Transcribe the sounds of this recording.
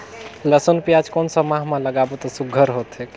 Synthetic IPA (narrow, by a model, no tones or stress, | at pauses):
ləsənpijad͡ʒkɔnsəmaɦmãləɡabet̪ɔsuɡʱəɾɦot̪ɦek